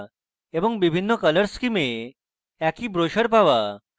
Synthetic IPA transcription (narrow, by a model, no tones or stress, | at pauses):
eʋəŋɡʋibʱinːəkələɾskime | akiːbɾoɕəɾpaʋa